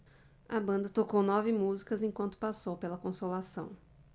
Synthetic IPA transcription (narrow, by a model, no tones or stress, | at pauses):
ɐbɐ̃nd̪ɐt̪okownɔvɪmuzikɐzẽkwɐ̃nt̪ʊ̥pasowpelɐkõsolasɐ̃w̃